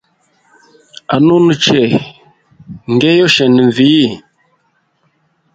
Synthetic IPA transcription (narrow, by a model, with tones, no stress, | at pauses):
a˨nu˦nə˨t͡ʃɛ˨ | ŋ˨ɡɛ˦jɔ˦ʃɛ˨nə˨ɱ˨vi˨˦˨